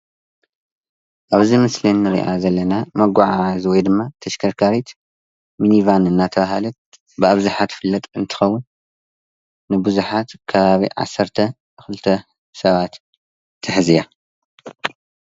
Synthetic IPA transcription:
ʔaβzimɨslinːɨɾḭʔa̰zɐlːɐnamɐɡʷaʕazwɔjd̪ɨmːat̪ʰɐʃkʰɐɾkʰaɾit̪ | minivanɨnːat̪ʰɐβahalɐt̪̚ | bɨaβzuħat̪fɨlːɐt̪ʼɨnt̪ʰɨ̥xɐwːʊn | ɨbɨzuħat̪kʰɐβaβḭʕa̰sːɐɾt̪ʰɐ | xɨlt̪ʰɐ | sɐβat̪ːʰ | ɨħɨzija

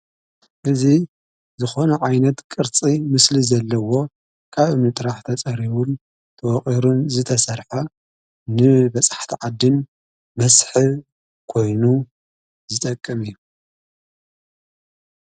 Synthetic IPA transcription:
ʔɨzi | zɨxo̞nɐʕajnɐt̪kʼɨɾt͡sʼimɨslizɐlːɐwo̞ | kʰaβʔɨmnɨt̪ʼɨɾaħt̪ʰɐt͡sʼɐɾiβun | t̪ʰɐwɔχʼiɾunzɨt̪ʰɐsɐɾħa | nɨbɐt͡sʼḁħt̪ʰiʕad̪ːɨn | mɐsħɨ | kʰo̞jnu | zɨt̪ʼɐkʼːɐmɨjːu

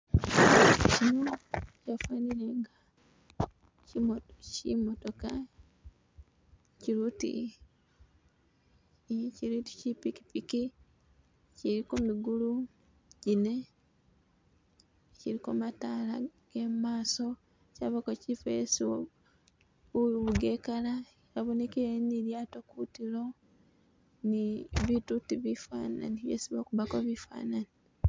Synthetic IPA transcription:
cinocafwaːniɾeŋɡa | cimocḭmotoka | ciɾuːtḭ | ciɾuti̥cipiki̥piki | ciɾikumiɡulu | ɟine̞ | ciɾikomataːlaɡ̥emaːso̞ | caβakocifejesiwo | βuɡekala | ɾaβone̞keeniɾjatokutiɾo̞ | niβitutiβifa̰na̰niβjḛsiβokuβakoβifa̰ːnani

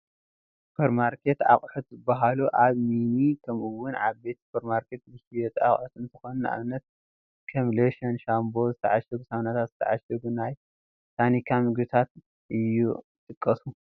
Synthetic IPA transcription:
sspʰeɾmaɾkʰe̞t̪a̰χʼħut̪zɨbːaɦaluʔaβminikʰɐmɨwːʊnʕaβbe̞t̪spʰɐɾmaɾkʰe̞t̪zɨhiɛt̪ʼa̰χʼħut̪ɨnt̪ʰɨxonɐnʔa̰βnːɐt̪̚ | kʰɐmleʃɐnʃambo̞zɨt̪ʰɐ̰ʕaʃɐɡusaβnat̪ʰat̪zɨt̪ʰɐ̰ʕaʃɐɡunaj | sʰanikʰamɨɡbɨt̪ʰat̪ | ʔɨjːṵɨt̪ʼɨkʼːɐsu

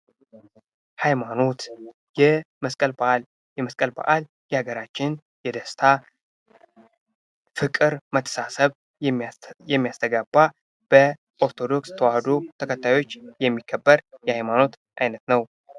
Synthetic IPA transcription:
hajmano̞t̪ | jɛməskʼəlbaʔal | jɛməskʼəlba̰ʔal | jɛhaɡəɾat͡ʃːɪn | jɛd̪əst̪ʰa | fɨkʼɨɾmət̪ʰːə̥sasəβ | jɛmːijast̪ʰəɡabːa | b̥ə | ʔo̞ɾt̪ʰo̞d̪o̞kst̪ʰəwahd̪ot̪ʰəkʰət̪ːajo̞t͡ʃːjɛmːikʰːəbːəɾjɛhajmano̞t̪ | ʔajnət̪nəw

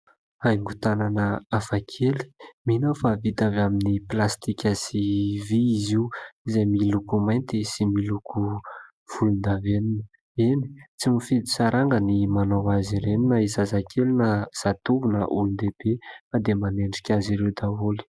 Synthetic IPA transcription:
ajŋɡut̪ananəafakʰeli̥minofavit̪avaminiplast̪ikʲəsiviːziuizemilukumajnt̪isimiluku | v̥ulund̪aveninə | enit͡simifid̪isaɾaŋɡənimanawaziɾeninəizazakʰelinəz̥at̪uvunəʔulund̪ebefad̪emaneɳɖ͡ʐi̥kʲaziɾewd̪aoli̥

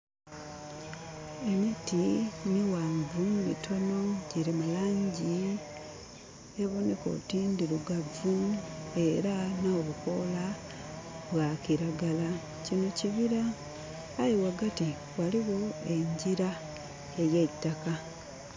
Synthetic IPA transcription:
e̞mitiniwaːmbumḭto̞no̞ɟiɾimalaːɲɟi | eβoneko̞̰tiːndiɾuɡavue̞ɾanaoβuko̞la | βwakiɾaɡala | cino̞ciβiɾaː | jiwaɡati | waliɣo̞e̞ɲɟiɾa | eɾjetːaka

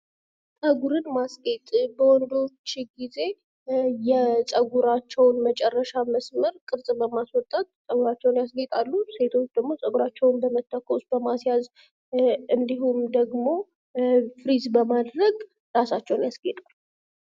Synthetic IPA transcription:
sʼəɡuɾɨnmasɡet̪ʼbəwɔnd̪o̞t͡ʃːɡize̞ | jɛsʼəɡuɾat͡ʃːɛwnmət͡ʃʼɛrːəʃaməsməɾkʼɨɾsʼbəmaswɔt̪ʼːat̪sʼəɡuɾat͡ʃːɛwnjasɡet̪ʼalːuse̞t̪ʰo̞t͡ʃːd̪əɡmo̞sʼəɡuɾat͡ʃːɛwnbəmət̪ʰːakʰːosbəmasjaz | ɨnd̪iɦumd̪əɡmo̞ | fɾizbəmad̪ɾəɡ | ɾasat͡ʃːɛwnjasɡet̪ʼalːu

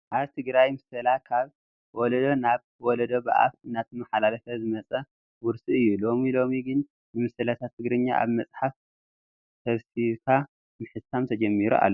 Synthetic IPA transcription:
ʔaβt̪ʰɨɡɾajmɨsɐlakʰaβ | wɔlɐd̪onaβ | wɔlɐd̪oba̰ʔa̰fɨnat̪ʰɨmɐħalalɐfɐzɨmɐt͡sʼɐ | wʊɾsiɨjːulo̞milo̞miɡɨn | nɨmɨsɐlat̪ʰat̪ʰːɨɡɾɨɲːa̰ʔa̰βmɐt͡sʼħaf | t̪ʰɐβsiβkʰa | mɨħɨsamt̪ʰɐd͡ʒɐmːiɾuʔa̰lːo

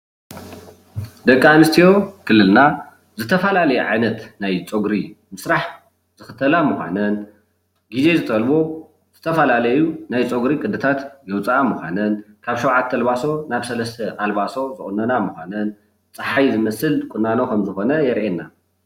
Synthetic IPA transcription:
d̪ɐkʼːanɨst̪ʰijo̞kʰɨlːɨlna | zɨt̪ʰɐfɐlalɐjɛʕajnɐt̪najt͡sʼoɡɾi | mɨsɾaħ | z̥ɨxɨt̪ʰɐlamɨxʷa̰nɐn | ɡize̞zɨt̪ʼɐlbo̞ | z̥ɨt̪ʰɐfɐlalɐjunajt͡sʼoɡɾikʼɨd̪ɨt̪ʰat̪jɛwt͡sʼamuxʷa̰nɐn | kʰaβʃowʕat̪ʰːɐlβaso̞naβsɐlɐst̪ʰɐʔalβaso̞zɨʔʼʊnːɐnamuxʷanɐn | t͡sʼɨħajzɨmɐsɨlkʼʊnːano̞kʰɐmzɨxo̞nɐjɛɾʔenːa

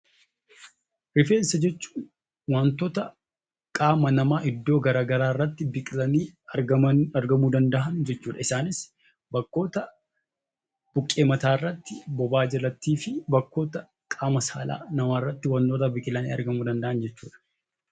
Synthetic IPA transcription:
ɾɪfeːsɐd͡ʒɛt͡ʃːu̥ːn | wɐnt̪oːt̪ɐ | kʼaːmɐnɐmaːʔɪd̪ːoːɡɐɾaːɡɐɾaːrːɐt̪ːɪbɪkʼɪlɐniːɐɐmɐɾɡɐmuːd̪ɐnd̪ɐʔɐnd͡ʒɛt͡ʃːuːᶑ̪ɐɪsaːnɪs | bɐkːo̞ːt̪ɐ | b̥ʊkʼːe̞ːmɐt̪aːɪrːɐt̪ːɪbɔbaːd͡ʒɛlɐt̪ːiːfɪbɐkːo̞ːt̪ɐ | kʼaːmɐsaːla̰ːnɐmaːrːɐt̪ːɪwɐnt̪oːt̪ɐbɪkʼɪlɐnḭːɐ̰ɾɡɐmuːd̪ɐnd̪ɐʔɐnd͡ʒɛt͡ʃːuːᶑ̪ɐ̥

